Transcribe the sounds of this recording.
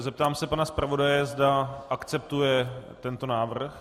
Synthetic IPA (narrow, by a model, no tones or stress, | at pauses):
zɛp̚t̪aːmsɛpanaspɾʔavo̞dajɛzdaʔakt͡sɛp̚t̪ujɛt̪ɛnt̪o̞naːvr̩x